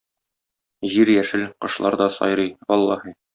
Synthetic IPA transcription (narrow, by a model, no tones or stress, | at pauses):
ʑiɾjæʃɘlqɤ̆ʃlˠɑɾd̪ɒsɒ̰jɾɤjwɒlˠːɑhɤ